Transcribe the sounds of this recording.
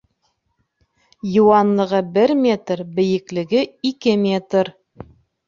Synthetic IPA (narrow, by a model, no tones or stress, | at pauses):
jŭwɑnlˠɤ̆ʁɤbɘɾmʲe̞t̪ɾbɘ̆jɘ̆klɘ̆ɡɘikɘmʲet̪ɾ